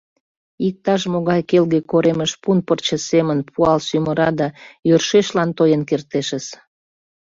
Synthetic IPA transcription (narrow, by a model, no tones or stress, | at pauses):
ik̚t̪ɑʃmoɣɑjkelɣekoɾeməʃpunpərt͡ɕəsemənpʰuɑlsyməɾɑd̪ɑjørʃeʃlɑnt̪ojənkert̪eʃəs